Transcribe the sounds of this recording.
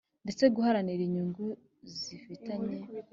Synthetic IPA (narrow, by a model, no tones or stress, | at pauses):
nde̞t͡se̞ɡuhaɾaniɾiɲuŋɡu | zifitaɲe̞